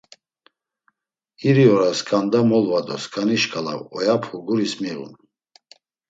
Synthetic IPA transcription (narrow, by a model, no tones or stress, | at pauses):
iɾiɔɾaskʼand̪amɔlvad̪ɔ̰skʰʼaniʃkʰʼala̰wɔjapʰuɡuɾismiʁṵn